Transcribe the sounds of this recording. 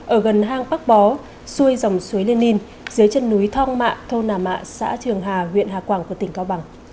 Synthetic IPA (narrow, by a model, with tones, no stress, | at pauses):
ʔəː˧˩ɣə˨˩nɦaː˧ŋɓa˦˥k̚ɓɔ˨˦ | su˧əjza˨˩wŋ͡msu˨˦jli˧ənːi˧n | zɨ˨˦əjt͡ɕə˧nːu˨˦jt̪ʰɔ˧wŋma̰ː˧˨t̪ʰo˧naː˨˩ma̰ː˧˨sa̰ː˧˥t̪ʰɨ˨˩əŋɦaː˨˩hwḭ˧˨ənhaː˨˩kwaː˧˩ŋku˧˩ət̪ï˨˩ŋ̟kaː˧wɓa˨˧˩ŋ